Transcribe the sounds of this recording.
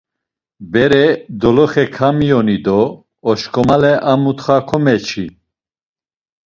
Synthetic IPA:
bɛɾɛd̪ɔlɔχɛkʰamijɔnid̪ɔː | ʃkʰʼɔmalɛʔamut̪χakʰɔmɛt͡ʃʰi

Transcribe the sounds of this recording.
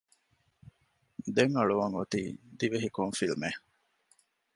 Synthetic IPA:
d̪eŋɐɭuʋɐŋot̪iːd̪iʋeɦikoŋfilme

